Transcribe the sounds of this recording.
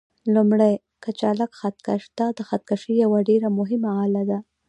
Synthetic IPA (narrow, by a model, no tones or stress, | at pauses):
lumɽaj | kat͡ʃalakxat̪kaʂd̪ɑd̪əxat̪̚kaʃijawaɖeɾamʊɦɪmaalad̪a